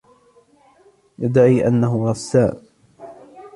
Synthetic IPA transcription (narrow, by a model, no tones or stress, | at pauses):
jad̪aʕiːʔa̰nːaɦʊɾˤɑsaːn